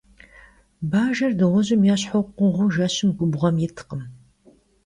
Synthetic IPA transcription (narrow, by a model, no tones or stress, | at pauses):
baːʒɐrdɨʁɔʑɪmjaːɕħowqʷʊʁʷʊʒaɕɪmɡʷʊbʁɐmjɛtʰɨ̥qəm